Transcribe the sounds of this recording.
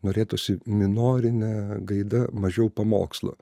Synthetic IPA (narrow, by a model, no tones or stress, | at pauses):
noːɾʲeːt̪ʊsʲɪmʲɪnoːɾʲɪnʲɛɡɐɪd̪ɐmɐʒʲɛʊpɐmo̰ːkslˠo̰